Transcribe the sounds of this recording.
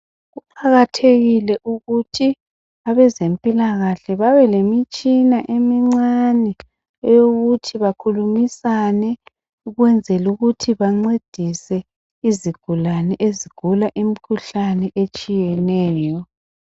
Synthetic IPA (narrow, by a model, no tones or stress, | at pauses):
ɣuǃʰaɣatʰeɣilɛʔuɣutʰi | aβɛzempʼilaɣaɬɛβaβɛlemit͡ʃʼinaʔemiŋ͡ǀanɛ | joɣutʰiβakʰulumisanɛ | uɣwɛnd͡zʱɛluɣutʰiβaŋ͡ǀed̥ʱisɛ | iziɡ̥ʱulanɛʔeziɡ̥ʱulaʔimikʰuɬanɛʔet͡ʃʼijɛnɛːjɔ